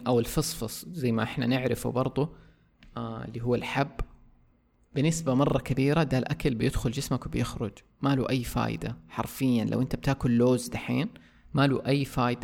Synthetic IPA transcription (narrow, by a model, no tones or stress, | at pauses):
ʔawɪlfɨsˤfɑsˤzajːmaʔɪħnanɪʕɾɪfṵbɑɾˤd̪ˤʊ | ɪ̰lːiːɦuwːalħabː | bɪnɪsbamɑrˤːɑkabiːɾad̪aːlʔakalbɪjɪd̪xʊld͡ʒɪsmakwbjɪxɾʊd͡ʒ | maluːʔajːfa̰ːjɪ̰d̪aħɑ̰ɾˤfɪjːanlʔa̰ʔɪnt̪ab̥̚t̪aːkʊlːoːzd̪aħḛːn | maluːʔajːfaːjɪd̪a